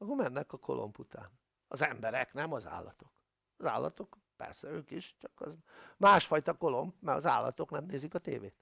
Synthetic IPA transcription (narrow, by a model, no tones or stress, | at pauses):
ɒkomɛnːɛkɒko̞̰lʔo̞̰mput̪aːn | ɒzɛmbɛɾɛknɛmɒza̰ːlːɒt̪o̞̥k | ɒza̰ːlːɒ̰t̪o̞k | pɛ̰rsɛøːkiʃt͡ʃɒkɒzmaːʃfɒjt̪ɒko̞lo̞mpmɛɒza̰ːlːɒ̰t̪o̞knɛmneːzikɒt̪eːveːt̪